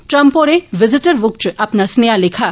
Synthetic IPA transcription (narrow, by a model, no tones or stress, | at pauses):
ʈɾəmpoɾeʋɪzɪʈəɾʋʊk̚t͡ʃaːpnasnejalekʰa